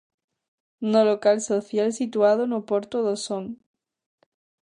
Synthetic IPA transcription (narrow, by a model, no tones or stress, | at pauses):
nolokalsoθjalsit̪uað̞onopoɾt̪oðosoŋ